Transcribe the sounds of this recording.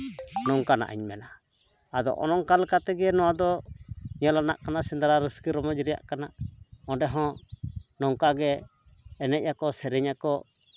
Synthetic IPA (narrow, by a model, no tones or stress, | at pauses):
nɔŋkana̰ʔa̰ɲmɛna | ad̪ɔ̰ʔɔ̰nɔŋkalɛkat̪ɛɡɛnɔwad̪ɔɲalana̰ʔkanaʔsɛnd̪aɾaɾəskiɾɔmɔd͡ʒɾɛja̰ʔkanaʔɔ̃ɖɛɦɔ̃nɔŋkaɡɛː | nɛc̚jakɔsɛɾɛɲakɔ